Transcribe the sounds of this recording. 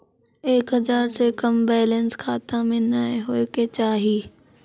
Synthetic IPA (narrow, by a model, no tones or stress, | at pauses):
eːkɦɐzaːɾsekɐmbɛːlə̃nskʰaːt̪ãmẽnaːeɦoːeket͡ɕaːɦiː